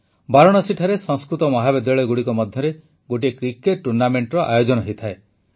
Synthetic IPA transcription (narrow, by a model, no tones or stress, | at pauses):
baɾɔɽ̃ɔsiʈʰaɾesɔŋskɾut̪ɔmɔɦabed̪jɔɭeɡuɽikɔmɔd̪ʱjɔɾe | ɡoʈ̬ikɾikeʈ̚ʈːuɾnameɳʈɾɔʔajod͡ʒɔnɔɦet̪ʰae